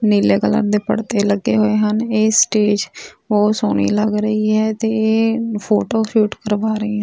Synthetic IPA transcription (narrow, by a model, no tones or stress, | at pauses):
niːleːkələ̰ɾd̪eːpəɽt̪eːləɡːeːɦoːeːɦəneːsʈeːd͡ʒoːsoːñḭːləɡɾəiːɦɛːt̪eːeːpʰoːʈoːʃuːʈkəɾʋaːɾəiːɦɛ̃ː